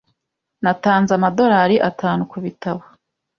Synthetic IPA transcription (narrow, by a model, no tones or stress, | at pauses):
nataːnzamado̞ɾaːɾiʔataːnukuβitaβa